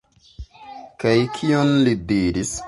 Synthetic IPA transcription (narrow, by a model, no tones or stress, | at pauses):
kajkʰionlidiɾis